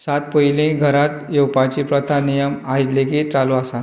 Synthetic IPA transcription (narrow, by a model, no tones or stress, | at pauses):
sat̪̚pojilĩɡʱəɾat̪jewpat͡ɕipɾɔt̪ʰanijəmajd͡ʑlekit͡saluasa